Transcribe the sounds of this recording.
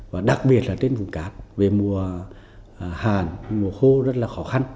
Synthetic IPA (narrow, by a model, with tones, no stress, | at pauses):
vaː˨˩ɗa˨˩k̚ɓi˨˩ət̚laː˨˩t̪e˧nvu˨˩˦kaː˨˦˥p̚ve˨˩mu˨˩ə˨ | haː˨˩nmu˨˩əxo˧zə˦˥t̚laː˨˩xɔ˨˦xa˧n